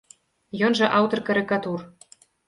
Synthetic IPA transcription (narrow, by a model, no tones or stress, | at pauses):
jonʒɤ̆ʔɑwt̪ɤ̆rkɑɾʲikɑt̪ur